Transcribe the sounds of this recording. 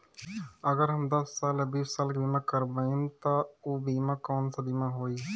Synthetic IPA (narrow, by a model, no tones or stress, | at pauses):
əɡəɾɦɐmd̪əsːaːləbiːssaːlkbiːmãkəɾbəĩmt̪oobiːmãkɔːnsabimãɦoːi